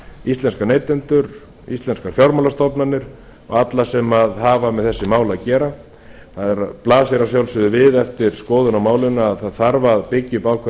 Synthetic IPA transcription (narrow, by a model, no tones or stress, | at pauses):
ist̪lɛnskaɾneːjt̪ɛnt̪ʏɾ | ḭst̪ɛnskaɾ̥fjawɾmawlast̪ɔpnanːɪɾ̥ | ɔ̰ɣat̪lasɛmaðɦaːvamɛðθɛsːɪmaːwlaðcɛːɾa | θaðɛɾaplaːsjɛɾasjawlsʏðʏvɪðɛft̪ɪɾ̥skɔːðʏnawmaːwlɪnaːðθaðθaɾvaðpɪcːɪpaːwkʰvɛ